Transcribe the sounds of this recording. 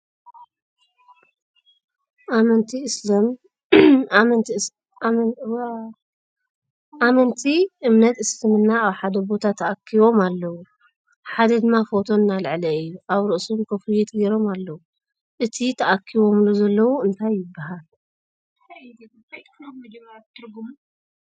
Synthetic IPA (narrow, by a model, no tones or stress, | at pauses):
ʔamɐnt̪ʰislm | m | ʔamɐnt̪ʰiʔɨmnɐt̪ɨslɨmɨnːaːβħad̪ɐbo̞t̪ʰat̪ʰːɐʔakʰːiβo̞malːɐwu | ħad̪ɐd̪ɨmːafo̞t̪ʰo̞nalʕlɐɨjːuʔaβɾɨʔsomkʰɐfujɛt̪ʰɡeɾomalːɐwu | ʔɨt̪ʰit̪ʰɐʔakʰːiβo̞mluzɐlːɐwuɨnt̪ʰajːɪbːaɦal | ɐd͡ʒɐmɐt̪ʰɨɾɡumu